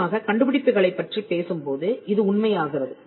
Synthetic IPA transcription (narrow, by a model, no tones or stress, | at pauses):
aːɣɐkɐɳɖɯpɪɽɪp̪ːɯɣɐɭɐɪpːɐʈripeːsɯmpoːðɯʔɪðɯʊɳmɐjaːɣɪrɐðɯ